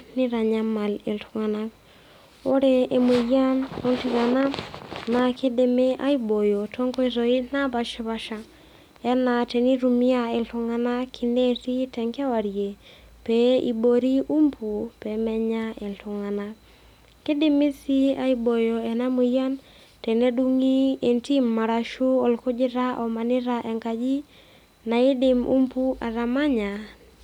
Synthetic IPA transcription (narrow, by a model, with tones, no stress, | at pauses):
nɪ˦ɾa˨ɲa˦ma˨le˨ltu˦ŋa˨na˦k | o˦ɾe˦e˨mi˨ja˦no˦lti˦ŋa˨na˦na˨ke˦de˨me˦ʔa˦i˦bo˨jo˨tʰo˦ŋko˦i˦ɾo˨i˦na˦ba˨ʃi˦βa˦ʃa˦ | ɛ˦na˨tɛ˨ni˦ɾu˨mi˦a˦e˨ltu˨ŋa˦na˦kʰi˨ne˦ti˦tɛ˨ŋka˦wa˨ɾje˨ | pe˦i˨bo˨ɾi˦ʔu˦mpʰu˨pɛ˨mɛ˦ɲa˦ʔe˨ntʊ˨ŋa˨na˦ | kɪ˦dɪ˦mi˦si˦a˦ibo˨jɔ˨ɛ˨na˦mu˨ja˦n | tɛ˨ne˦du˦ŋi˦e˨nti˦mːa˨ɾa˨ʃu˦ɔ˨lkʊ˦d͡ʒɪ˦ɾa˦ʔɔ˨ma˨nɪ˦ɾaʔe˨ŋka˨d͡ʒi˦ | na˨ɪ˦dɪ˨mʔṵ˦mpu˦ʔa̰˨ɾa˨ma˦ɲa˨